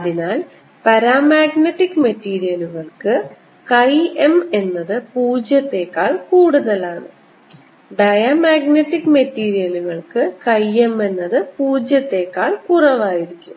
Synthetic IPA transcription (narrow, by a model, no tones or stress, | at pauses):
ɐðinaːl | pɐɾaːmaːɡneʈːikːmɐtːiːɾijɐluɣɐɭkɨ | kɐjeme̞nːɐðɨpuːd͡ʑjɐt̪ːe̞ːkːaːɭkuːɽuðɐlaːɳɨ | ɖɐjamaːɡneʈːikːmɐtːiːɾijɐluɣɐɭkɨkɐje̞me̞nːɐðɨpuːd͡ʑjɐt̪ːe̞ːkːaːɭkurɐʋaːjiɾikʲːum